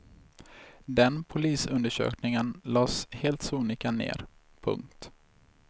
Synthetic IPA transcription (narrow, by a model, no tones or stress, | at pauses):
d̪ɛnpʰʊliːsɵnd̪əʂø̰ːknɪŋənlɑːsheːlt̪suːnɪkanḛːɾ | pʰɵ̰ŋkt̪